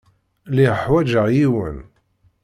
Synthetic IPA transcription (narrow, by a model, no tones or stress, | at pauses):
liʁəħwæd͡ʒəʁjiwə̰n